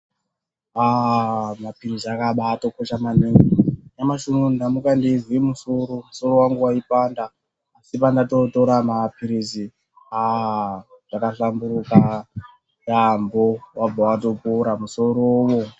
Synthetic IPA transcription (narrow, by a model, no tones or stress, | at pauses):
amapiriziakaɓaːto̞koʃamaniŋijamaʃunundamukandizwimusoɾomuso̞ɾowaŋɡuwaipandaː | sipandatoto̞ɾamapiɾizi | a | ʐ̥akaɬambuɾuka | jambowab͡vawato̞puɾamuso̞ɾowo